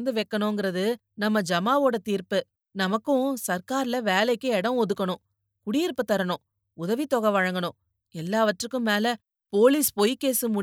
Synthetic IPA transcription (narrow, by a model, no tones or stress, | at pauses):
nd̪ɯʋɛkːɐɳʊ̃ŋɡɪɾɐðɯ | nɐmːɐd͡ʒɐmaːʋoːɽɐt̪iːɾpɯ | nɐmɐkːʊ̃sɐɾkaːɾɪlɐʋeːlɐɪkːɯɛɽɐ̃ɔðɯkːɐɳʊ̃ | kʊɽijɪɾpːɯt̪ːɐɾɐɳʊ̃ | ʊðɐʋit̪ɔɣɐʋɐɻɐŋɡɐɳʊ̃ | ɛlːaːʋɐʈːrɯkːɯ̃meːlɐ | poːlispɔjkːeːsɯmʊ